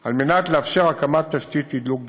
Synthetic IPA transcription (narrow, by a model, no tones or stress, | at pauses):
almenat̪leafʃeʁakamat̪ːaʃt̪it̪id̪luk̚b